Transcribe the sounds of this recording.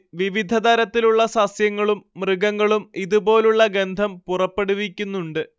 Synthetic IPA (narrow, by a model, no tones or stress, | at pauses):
ʋiʋid̪ʱɐd̪ɐɾɐt̪ːiluɭːɐsɐsjɐŋːɐɭumːrɨɡɐŋːɐɭumiðubo̞ːluɭːɐɡe̞nd̪ʱɐmpurɐpːe̞ɽuʋikʲːunːuɳɖɨ